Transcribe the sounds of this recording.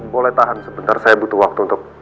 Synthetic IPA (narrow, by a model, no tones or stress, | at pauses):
bolɛht̪aɦansəbənt̪arsajabut̪uwak̚t̪uːnt̪ʊk̚